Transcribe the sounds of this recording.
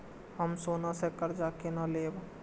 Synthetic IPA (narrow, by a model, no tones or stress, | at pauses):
həmsoːnasekəɾd͡ʒaːkenaleːb